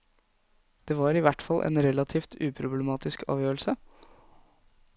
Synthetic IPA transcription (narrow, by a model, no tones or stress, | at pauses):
d̪̥eːʋɑːɾɪʋæʈfɑlːʔɛ̰ːnɾɛlɑt̪ʰiːft̪ʉːpʰɾʊbləmɑːt̪ɪskɑ̰ːʋjøːɭ̩sə